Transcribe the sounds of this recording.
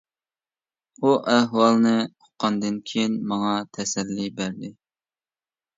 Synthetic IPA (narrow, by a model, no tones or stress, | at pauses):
uʔæhwɑlˠnɨo̥qʰːɑnd̪ɨnkʲʰejinmɑŋɑt̪ʰɛsɛlːibæɾd̪ɪ